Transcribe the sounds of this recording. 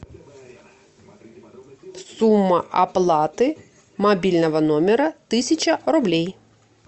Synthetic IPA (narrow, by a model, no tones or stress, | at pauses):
sumːɐʔɐplˠɑt̪ɪ | mɐbʲilʲnɔʋɐnɔmʲɛɾɐt̪ɪsʲɐt͡ʃɐɾʊblʲij